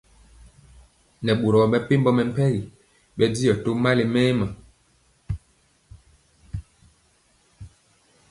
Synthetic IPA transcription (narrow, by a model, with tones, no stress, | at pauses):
nɛ˨ɓu˨ɾɔ˨ɓɛ˦pe˦m˦bɔ˦mɛ˨m̩˦pɛ˦ɣi˨ | ɓɛ˦di˦jɔ˨to˦ma˦le˨mɛː˦ma˨